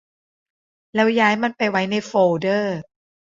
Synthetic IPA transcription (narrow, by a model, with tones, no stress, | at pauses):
lɛː˦˥wjaː˦˥jma˧npa˧jwa˦˥jna˧jfoː˧˩dɤː˥˩